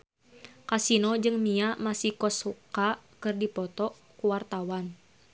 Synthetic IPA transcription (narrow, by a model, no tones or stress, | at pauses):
kasinɔd͡ʒɨŋmiamasihkɔsukakɨrdipɔt̪ɔ | kuwart̪awan